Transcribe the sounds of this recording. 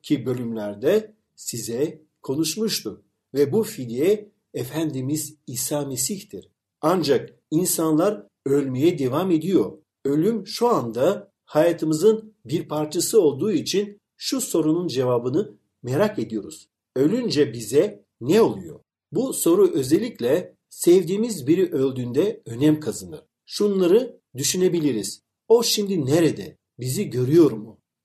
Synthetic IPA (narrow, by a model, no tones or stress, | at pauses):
cʰibø̞lʲymlʲæɾd̪ɛ | sizɛ | kʰo̞nuʃmuʃt̪ʰu | vɛbufid̪ijɛː | fænd̪imiziːsaːme̞siçt̪iɾ̥ | and͡ʒak̚ | insanlˠaɾ | ølʲmejɛd̪e̞vame̞d̪ijo̞ɾ | ø̞lʲymʃuand̪a | hajaːt̪ʰɯmɯzɯnbiɾpʰaɾt͡ʃʰasɯo̞lˠd̪uːit͡ʃʰin | ʃuso̞ɾunund͡ʒe̞vaːbɯnɯ | meɾake̞d̪ijo̞ɾuz̥ | ø̞lʲynd͡ʒɛbizɛ | nɛo̞lˠujo̞̰ | buso̞ɾuʔø̞zelʲːiclʲɛ | sɛvd̪iːmizbiɾiʔø̞lʲd̪ynd̪ɛø̞nɛmkʰazanɯ̰ɾ̥ | ʃunlˠaɾɯ | d̪yʃyne̞bilʲiɾiz̥ | o̞ʃimd̪ineɾɛd̪ɛ | biziɟø̞ɾyjo̞ɾmu